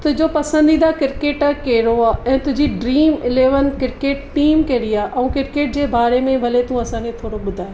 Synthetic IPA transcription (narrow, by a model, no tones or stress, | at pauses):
t̪ʊɦɪ̃d͡ʑopɐsə̃nd̪id̪akɪɾkeːʈakeːɾoaɛ̃ːt̪ʊɦɪ̃d͡ʑiɖɾiːmɪleːʋənkɪɾkeːʈʈiːmkɐɪɽiaːʔɐũːkɪɾkeːʈ̚d͡ʑeːbaːɾemẽbʱɐlet̪ũɐsãːkʰet̪ʰoːɽoɓʊd̪ʱaːe